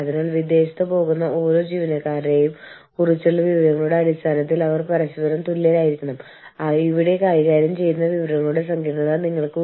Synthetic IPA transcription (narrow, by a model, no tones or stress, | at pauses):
ɐðinaːɭʋid̪ːe̞ːɕi̥t̪ːɨpo̞ːɣunːɐo̞ːɾo̞ːd͡ʑiːʋinɐkːaːɾɾe̞ːjum | kurit͡ɕːuɭːɐʋiʋɐɾɐŋːɐɭuɽe̞ɐɽist̪ʰaːnɐt̪̬ːilɐʋɐrpɐɾɐɕibɐɾɐmt̪ulːeːlaːjiɾikʲːuɳɐm | iʋiɽe̞kaːjiɣaːɾjɐmt͡ɕe̞jːunːɐʋiʋɐɾɐŋːɐɭuɽe̞s̬ɐŋɡʱiːʈɐɳɐðɐniŋːɐɭkɨ